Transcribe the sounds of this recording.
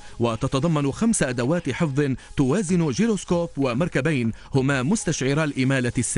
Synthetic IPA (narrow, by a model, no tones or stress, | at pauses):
wat̪ɑt̪ɑd̪ˤɑmːɑnxamsaʔad̪awaːt̪ħɨfðˤɨnt̪ʊwaːzɪnʊd͡ʒiɾoskoːpwamɑɾˤkabajnhʊmamʊst̪aʃʕɪɾˤalʔɪmaːlasːa